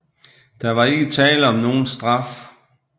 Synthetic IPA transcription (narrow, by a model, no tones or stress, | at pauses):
d̥ɑ̈ʋɑ̈e̝ɡ̥ət͡sʰɛ̰ːləɒ̽mno̝ːn̩sd̥ʁɑf